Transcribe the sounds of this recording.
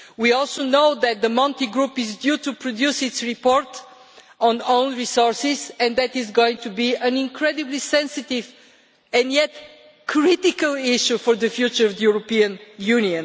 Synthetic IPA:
wiɔlˠsoʊnoʊðɨt̪̚ðəmʌ̃ntiɡɹupɪzdjutupʰɹɔd̪jusɪtsɹipɔɹt | ɔ̃nõʊ̃nɹisɔɹsɪzɨ̃nðɨtɪzɡoʊɪ̃ŋtubiɨ̃nɪ̃ŋkʰɹɛdɨblisɛ̃nsɪtɪv | ɨ̃njɛt̚ | kʰɹɪtɪkəlˠɪʃufɔɹðɨfjut͡ʃə˞ʌvðəjuɹopiə̃njuniɨ̃n

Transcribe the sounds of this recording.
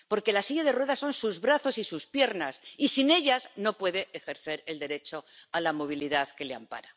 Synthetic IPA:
po̞ɾke̞lasiʎaðe̞rwe̞ðaso̞nsuzβɾaθo̞sisuspje̞ɾnasisine̞ʎazno̞pwe̞ðe̞ʔexe̞ɾθe̞ɾe̞ld̪e̞ɾe̞t͡ʃo̞alamo̞β̞iliðaðke̞leampa̰ɾa

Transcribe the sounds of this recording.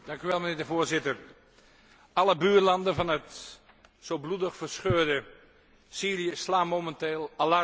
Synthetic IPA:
d̥ɑŋkyʋɛlˠməneːɹdəvoːzɪtər | ɑlˠəbyːrlɑndənvɑnət | sowbludəxfəsχøːdə | siːriəslaːmomɛnteːlˠalɑ

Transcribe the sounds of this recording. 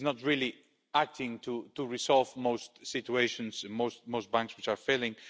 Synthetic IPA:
znət̚ɹɪlˠi | æk̚tʰɪ̃ŋtʰutəɹisɔlˠvmoʊstsɪt͡ʃueɪʃɨ̃nzmoʊst̚moʊst̚b̥æ̃ŋkswɪt͡ʃə˞felˠɪ̃ŋ

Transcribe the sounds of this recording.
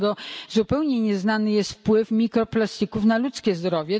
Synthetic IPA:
ɡɔzupɛwɲɛɲɛznanɘjɛst̪fpwɘfmʲikɾɔplast̪ikufnalut̪skʲɛzd̪ɾɔvʲjɛ

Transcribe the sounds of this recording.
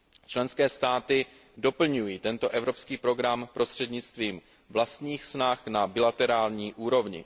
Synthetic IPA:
t͡ʃlɛnskɛːst̪aːt̪ɪ | do̞pl̩ɲujiːt̪ɛnt̪o̞ʔɛvɾo̞pskiːpɾo̞ɡɾampɾʔo̞st̪r̥ɛdɲɪt͡st̪viːm | vlast̪ɲiːxsnaxnabɪlat̪ɛɾaːlɲiːʔuːɾo̞vɲɪ̰

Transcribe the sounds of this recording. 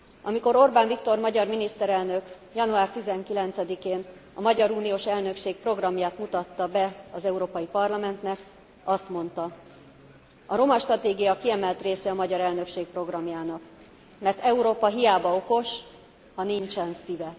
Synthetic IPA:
ɒmiko̞ɾo̞rbaːɱvikt̪o̞rmɒɟɒrminist̪ɛɾɛlnø̞k | jɒnuaːrt̪izɛŋkilɛnt̪sɛd̪ikeːnɒmɒɟɒɾuːnijoːʃɛlnø̞kʃeːk̚pro̞ɡrɒmjaːt̪mut̪ɒt̪ːɒbɛɒzɛuɾoːpɒjipɒrlɒmɛnt̪nɛk | ɒst̪mo̞n̪t̪ɒ | ʔɒɾo̞mɒʃt̪rɒt̪eːɡijɒkiɛmɛlt̪reːsɛɒmɒɟɒɾɛlnø̞kʃeːk̚pro̞ɡrɒmjaːnɒk | mɛrt̪ɛuɾoːpɒɦijaːbɒo̞ko̞ʃ | hɒniɲt͡ʃɛnsivɛ

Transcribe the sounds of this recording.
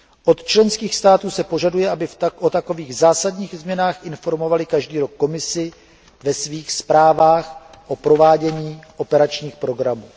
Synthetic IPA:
ʔo̞t̪t͡ʃlɛnskiːxst̪aːt̪uːsɛpo̞ʒadujɛʔabɪʔot̪ako̞viːɣzaːsadɲiːɣzmɲɛnaːxʔɪnfo̞ɾmo̞valɪkaʒdiːɾo̞kːo̞mɪsɪ | vɛsviːxspɾaːvaːxʔo̞pɾo̞vaːɟɛɲiːʔo̞pɛɾat͡ʃɲiːxpɾo̞ɡɾamuː

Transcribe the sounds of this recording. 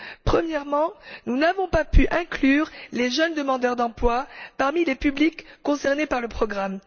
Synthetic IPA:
pχəmjɛʁmɑ̃nunavɔ̃papyʔɛ̃klyːʁleʒənd̪əmɑ̃d̪œʁd̪ɑ̃plwapaʁmilepyblikːɔ̃sɛʁnepaʁləpχɔɡʁam

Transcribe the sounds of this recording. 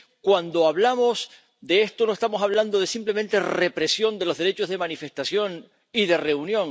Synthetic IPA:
kwand̪o̞aβlamo̞s | d̪e̞est̪onoest̪amo̞saβ̞land̪oðe̞simple̞mẽnt̪e̞re̞pɾe̞sjo̞nd̪e̞lo̞zðeɾet͡ʃo̞zðe̞manife̞ht̪asjo̞ŋ | iðe̞re̞unjõ̞ŋ

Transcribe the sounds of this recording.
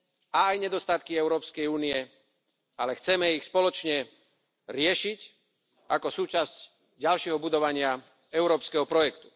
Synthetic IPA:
aːjɲɛd̪ɔst̪at̪kiɛʊɾɔːpskɛjuːniɛ | alɛxt͡sɛmɛixspɔlɔt͡ʃɲɛ | ɾɪɛʃic | akɔsuːt͡ʃasc | ɟalʃɪɛɦɔbud̪ɔʋaɲɪa | ɛʊɾɔːpskɛɦɔpɾɔjɛkt̪u̥

